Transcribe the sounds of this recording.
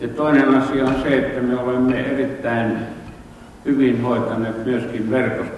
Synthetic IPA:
jɑt̪oˑinenɑsiɑonseet̪ːæmeolemːḛerit̪ːæˑin | hyʋinhoˑet̪ɑnˑeːt̪myøskiʋʋerkos

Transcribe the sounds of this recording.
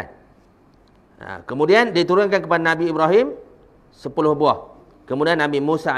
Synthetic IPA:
n | ə̰kəmudiandit̪uɾʊnkankəpadanãbiːbɾaɦim | səpulʊhbuah | kəmũdianːabimũsa

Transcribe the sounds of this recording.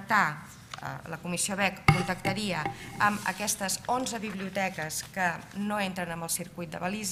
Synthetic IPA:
k̚t̪a̰ | ləkumisioβɛkkːunt̪əkt̪əɾiəəmə̰kɛst̪əzonzəβiβliut̪ɛkəskənoent̪ɾənəmbəlˠsiɾkujt̪̚d̪əβəliz

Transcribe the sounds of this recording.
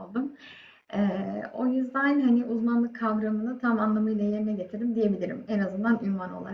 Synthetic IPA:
lˠd̪ɯm | ɛːo̞̰jyzd̪ænɦaniɪʔuzmanlˠɯkʰːavɾamɯnɯt̪ʰamanlˠamɯjlˠaje̞ɾinɛɟe̞t̪ʰiɾd̪imd̪ije̞bilʲiɾḭmenazɯnd̪anynvano̞̰lˠa̰

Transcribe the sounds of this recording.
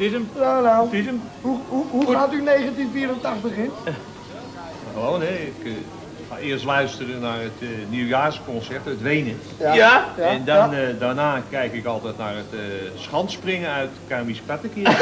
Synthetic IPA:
tɪsəmnonawtɪsəmuuɦuatynejχətinfiərəntaχtəχɪn | xəʋoːnɛɪk | ɪərstlœɥstərənarətniwjaːskɔnsɛrtətʋejnə | ɛndɔndanaːkɛjkɪkɑlˠtɛjtnaːrətsχɑntsprɪŋəœɥtkarmiskatəkɪ

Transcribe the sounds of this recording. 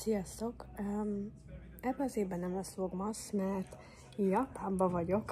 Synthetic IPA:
sijɒst̪o̞k | ɛbːɛɒzeːbːɛnɛmɛsvoɡmɒsmɛrt̪ | jjɒpaːmbɒvɒɟo̞k

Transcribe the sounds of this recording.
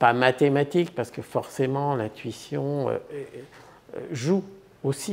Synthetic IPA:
pamat̪emat̪ikpaʁsə̥kəfɔʁsemɑ̃lɛ̃t̪ɥisjɔ̃ø̰ɛ | ʒu | osi

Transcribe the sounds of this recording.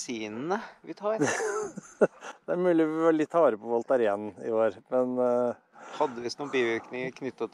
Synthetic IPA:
siːnnəʋɪt̪ʰɑː | d̪̥ɛæɾmʉːlɪɔʋɪʋɑlɪt̪ʰːɑʋɑːɾəpɔʋɑlt̪ɑɾɪɛnnɪ̰oːɾmɛn | hɑd̪ːəʋɪsnuːbiːʋɪɾknɪŋəɾkʰnʏt̪ːə

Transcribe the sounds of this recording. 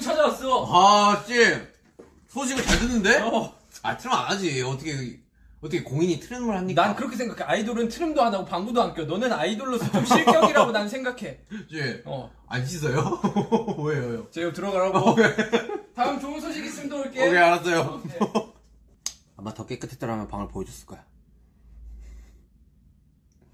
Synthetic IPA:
t͡ɕʰad͡ʑawas͈ʌat͡ɕ͈e | sʰoɕʰiɡɯɭt͡ɕaɭdɯnːɯnde̞ | a̰tʰɯɾɯa̰nad͡ʑieʌt͈ʰʌkʰe | ʌt͈ʰʌkʰekoŋiɲitʰɯɾɯmɯɭhaɲːinankɯɾʌkʰe̞sʰeŋɡakʰeaidoɾɯntʰɯɾɯmdoɦadaɡopaŋbudoank͈ʰjonʌnɯnaidoɭːosʰɯɯmɕiɭk͈jʌɡiɾaɡonanɯnsʰe̞ŋɡakʰe̞t͡ɕ͈eʌ̰ | a̰nɕis̬ʰʌjo | boejojot͡ɕeɡatɯɾʌɡaɾaɡoetaɯmt͡ɕoɯnsʰoɕʰiɡis͈ɯmdoɭk͈eɡeaɾas͈ʌjo | amːatʌk͈ek͈ɯtʰet͈aɾamjʌnpaŋɯɭpojed͡ʑus͈ɯ̥ɭk͈a̰ja

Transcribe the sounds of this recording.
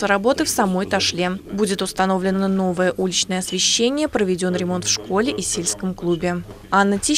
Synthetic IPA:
əɾɐbo̞t̪ɨfsɐmo̞jt̪ɐʂlʲebudʲɪt̪ʊst̪ɐno̞vlʲɪnːəno̞vəjəʔulʲɪt͡ɕnəjəɐsvʲɪɕːenʲɪjəpɾəvʲɪdʲo̞nɾʲɪmo̞nt̪fʂko̞lʲɪʔisʲelʲskəmklˠubʲɪ | anːətʲi

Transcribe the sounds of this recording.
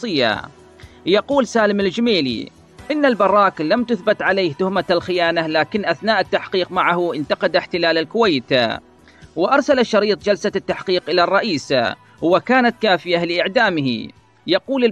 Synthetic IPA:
ɨjːa̰ | jɑquːlsaːlɪmɪld͡ʒmeːlḭ | ʔɪnːalbɑrˤːɑːklamt̪ʊθbɪt̪ʕalejːht̪ʊhmaalxɪjaːnalaːkɪnːʔaθnaːʔɪt̪ːaħqiːqmaʕahʔɪnt̪ɑqɑd̪aħt̪ɪlaːlalkʊwajːt̪a̰ | wɪʔɑɾˤsalaʃːɑɾiːt̪ˤd͡ʒalsat̪ːaħqiːqʔɪlarˤːɑʔiːsa̰ | wɪkaːnat̪kaːfɪjalɪʔɪʕd̪aːmɪhḭ | jɑquːlɪ

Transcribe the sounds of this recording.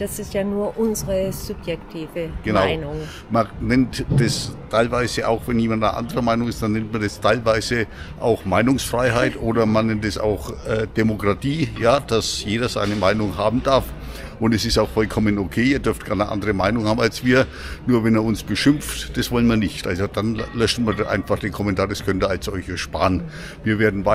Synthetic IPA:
d̥asɪstjaːnuːɐʔʊnzəʁəz̥ʊpjɛktʰiːvəɡ̥ənaʊɪnʊŋ | manɛntd̥astʰaɪlvaɪzəʔa̰ʊxvɛnjiːmantanʔa̰ndəʁəmaɪnʊŋɪstd̥anːɛntmandastʰaɪlvaɪzə | ʔa̰ʊxmaɪnʊŋsfʁ̥aɪɦaɪtʔoːdɐmanɛntɛsa̰ʊxɛːd̥emokʁ̥atʰiːjaːd̥asjeːdɐz̥aɪnəmaɪnʊŋɦaːbm̩d̥aɐf | ʔʊntɛsɪstaʊxfɔlkʰɔmənokʰeːiːɐdʏɐft̚ɡ̥aɐnəʔa̰ndəʁəmaɪnʊŋhaːbmalsv̥iːɐ | nuːɐvɛneːɐʊnsb̥əʃʏmftd̥asv̥ɔlənviːɐnɪçtʔa̰lzod̥anlœʃn̩miːɐdʔa̰ɪnfaχd̥eːnkʰɔmɛntʰaːɐdaskʰœntəalsz̥ɔlçəʃpa̰ːən | viːɐveːɐdn̩va

